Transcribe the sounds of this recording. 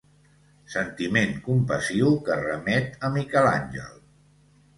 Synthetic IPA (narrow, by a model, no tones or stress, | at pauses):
sənt̪imeŋkumpəsiwkərəmɛt̪əmikɛla̰nʲʒə̰lˠ